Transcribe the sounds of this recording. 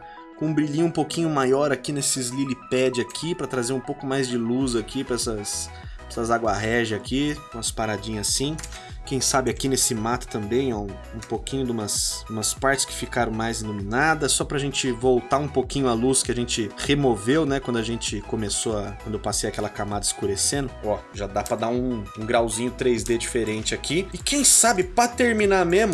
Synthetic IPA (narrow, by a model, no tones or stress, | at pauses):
kõũbɾiʎĩʊ̃ũpowkĩɲʊmajɔɾakinesɪzlilipɛd͡ʒɪakʰipɾɐt̪ɾazeɾũpowkʊmajzd͡ʒɪluzakipɛsɐs | ɛsɐzaɡwaɦɛʒɪakid̪ũɐspaɾad͡ʒĩɲɐsĩ | kẽj̃sabɪakinesɪmat̪ʊ̥t̪ɐ̃mbẽj̃ɛũ | ũpokĩɲʊd̪ũmɐsũmɐspaɾt͡ʃɪ̥skɪ̥fikaɾɐ̃w̃majziluminad̪ɐsɔpɾɐʒẽt͡ʃɪvowt̪aũpokĩɲʊaluskɪaʒẽnt͡ʃɪhemovewnɛkwɐ̃d̪ʊaʒẽnt͡ʃɪkomesoɐkwɐ̃nd̪ʊewpasejɐkɛlɐkamad̪ɐɪskuɾesẽnd̪ʊɔʒad̪apɾɐd̪aũũɡɾawzĩɲʊt̪ɾejzd̪ed͡ʒifeɾẽnt͡ʃɪakʰiɪkẽj̃sabɪpɾɐt̪eɾminamẽmʊ